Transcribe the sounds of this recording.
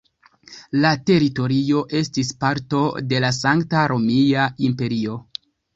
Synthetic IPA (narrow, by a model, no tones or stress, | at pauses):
late̞ɾito̞ɾio̞ʔe̞stispaɾto̞de̞lasaŋktaɾʔo̞miaimpe̞ɾio̞